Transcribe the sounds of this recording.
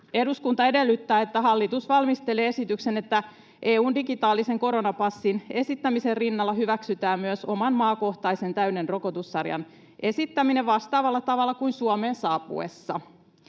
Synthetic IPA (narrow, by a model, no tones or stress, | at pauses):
e̞duskunt̪ɑe̞de̞lːyt̪ːæːe̞t̪ːæɦɑlːit̪usʋɑlmist̪ele̞ːesit̪yksene̞t̪ːæ | ʔe̞ːuːndiɡit̪ɑːlise̞ŋko̞ɾo̞nɑpɑsːine̞sit̪ːæmiserrinːɑlːɑɦyʋæksyt̪æːmmyøso̞mɑnmɑːko̞ht̪ɑise̞nt̪æyne̞nro̞ko̞t̪usːɑrjɑ̰n | ʔe̞sit̪ːæmine̞ʋʋɑst̪ɑːʋɑlːɑt̪ɑʋɑlːɑkuinsuome̞ːnsɑːpṵḛsːɑ̰